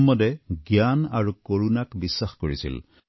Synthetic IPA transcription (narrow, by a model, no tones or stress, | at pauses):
mːɔdɛɡjanaɹukoɹunakbisːaxkoɹisḭl